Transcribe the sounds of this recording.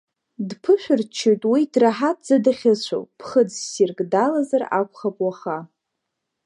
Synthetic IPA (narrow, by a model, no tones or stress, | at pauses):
dpʰɨʃʷᶣɨrt͡ʃʰːejtʼwidraħatʼd͡zadaχʲɪɕʷʰo̰wpʰχəd͡zsirkʼdalazara̰kʷʰχapʼwaχa